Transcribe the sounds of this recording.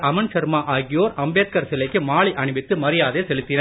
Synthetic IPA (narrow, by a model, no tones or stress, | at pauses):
ʔɐmɐnsɐɾmaːʔaːɣɪjoːɾɐmbeːt̪̚kɐɾsɪlɐɪkːɯmaːɭiʔɐɳɯbɪt̪ːɯmɐɾɪjaːðeːsɛlɯt̪ːɪnɐ